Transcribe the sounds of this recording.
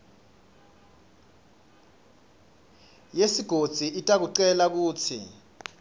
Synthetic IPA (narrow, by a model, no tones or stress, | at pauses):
jesiɡ̥ʱod̥z̥ʱiʔitʼak̬uǃɛlak̬uːt͡sʰḭ